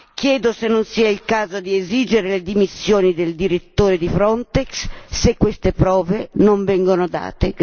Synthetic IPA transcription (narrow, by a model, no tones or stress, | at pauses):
k̟jɛːd̪osenːonsiɛilkaːzod̪ieziːd͡ʒeɾeled̪imisːjoːnid̪eld̪iɾet̪ːoːɾed̪ifɾɔnt̪eksːekːwest̪epɾɔːvenoɱvɛŋɡonod̪a̰ːt̪e